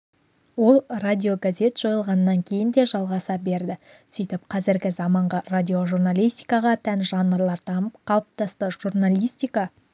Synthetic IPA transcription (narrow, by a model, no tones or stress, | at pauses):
wo̞lˠradʲio̞ɡazʲe̞t̪ʒ̥o̞jəlˠʁɑnəːɑŋkʲʰe̞jɪnd̪e̞ʒɑlˠʁɑsɑbe̞ɾd̪ɪ | sijt̪ɪp̚qʰɑzɪɾɡʲɪzɑmɑɴʁɑrad̪ʲio̞ʒurnalʲˠijst̪ʲijkɑʁɑt̪ʰænʒɑnːəɾlˠɑɾt̪ʰɑməpqʰɑlˠəp̚t̪ɑst̪əʒ̥urnalʲijst̪ijkɑ